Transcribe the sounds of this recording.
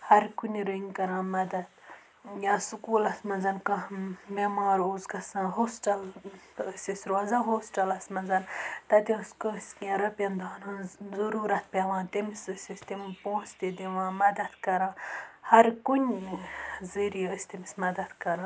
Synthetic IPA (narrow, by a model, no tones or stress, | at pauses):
hɐɾkunʲɾuiŋkɐɾãːmɐd̪ɐd̪ | jaːsukuːlɐsmɐnzɐnkɐmemaːɾoːzkɐsãɦoːsʈɐləsʲisʲɾazaɦoːsʈɐlɐsmɐnzɐnt̪ɐt̪ʲiəskəsʲkʲẽɾɐpʲɐnd̪aːnãːzɐɾuːɾɐt̪̚pʲeʋãːt̪imisɨsʲisʲt̪impõːst̪id̪iʋãːmɐd̪ɐt̪kɐɾãːhɐɾkunʲ | zəɾijəsʲt̪imisʲmɐd̪ɐd̪kɐɾãː